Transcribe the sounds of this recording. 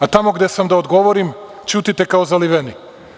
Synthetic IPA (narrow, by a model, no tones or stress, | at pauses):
at̪amo̞ɡd̪esamd̪aod̪ɡo̞ʋoɾim | t͡ʃuːt̪it̪ekaozaliʋeni